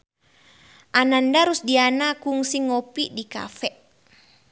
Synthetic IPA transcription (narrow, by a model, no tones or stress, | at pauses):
ʔanandaɾusdianakuŋsiŋɔpiʔdika̰fɛʔ